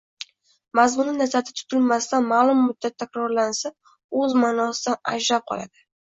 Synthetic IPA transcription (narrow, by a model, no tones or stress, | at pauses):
mazmʊnɪnazat̪ʰɪt̪ʰʊ̥t̪ʰɪlmast̪anmaːlˠʊmːʊd̪ːat̪ʰːakʲɾɒɾlansa | ɵzmanɒsɪd̪ana̰d͡ʒɾap̚qʰɒ̰la̰d̪̥ɪ